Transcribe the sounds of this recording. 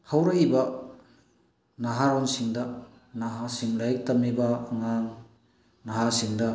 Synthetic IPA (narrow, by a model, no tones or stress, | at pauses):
hawɾɐibɐ | nɐɦaɾonsiŋdɐ | naɦasiŋlajk̚tɐmːibɐːŋaŋ | nɐɦasiŋdɐ